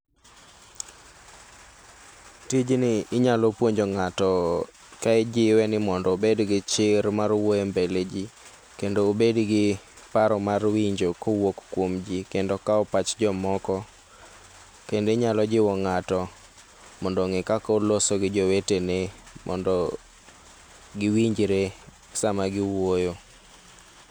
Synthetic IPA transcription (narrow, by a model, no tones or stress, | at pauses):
tid͡ʒnɪɪɲalɔpwoɲd͡ʒoŋatɔ | kaɛd͡ʒɪwɛnɪmɔndɔobedɡɪt͡ʃɪɾmarwoembeled͡ʒi | kendoobedɡɪ | paɾɔmarwiɲd͡ʒokowokkwomd͡ʒikendokaɔpat͡ʃd͡ʒɔmɔkɔ | kendeɲalɔd͡ʒɪwɔŋatɔ | mɔndɔŋɛkakolosoɡɪd͡ʒɔwetenemʔɔ̰ndɔ | ɡɪwiɲd͡ʒɾe | samaɡɪwojo